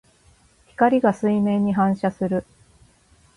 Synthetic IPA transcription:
çʲi̥kaɾʲiɡasɨimẽ̞ɲ̟ːiɦãɰ̃ɕasɨɾɯ̟

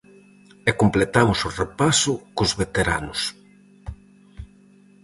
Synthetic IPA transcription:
ekomplet̪amʊsʊrepasʊkʊzβet̪eɾa̰nʊs

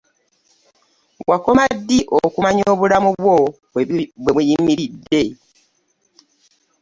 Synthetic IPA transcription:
wako̞madːiʔokumaɲoːβulamuβwo | βweβujimiɾidːe̞

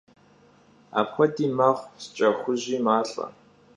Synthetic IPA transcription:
a̰ːpxʷɔdiːmɐʁʷst͡ʃʼɐxʷʊʑiːmaːɬʼɐ̰

